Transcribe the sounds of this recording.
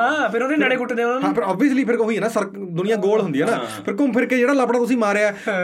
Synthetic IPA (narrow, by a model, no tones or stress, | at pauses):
ɦãːpʰɪɾoːd̪eːnəɽẽːkʊʈːd̪ẽːɦãːpʰɪɾɔːbiəsliːpʰɪɾɦoiːɛːnaːsəɾk | d̪ʊnɪ̃jãːɡoːlɦʊnd̪iːɛːnãːpʰɪɾkʊmpʰɪɾkeːd͡ʒeːɽaːlaːpɽaːt̪ʊs̬ĩːmaːɾeːɛː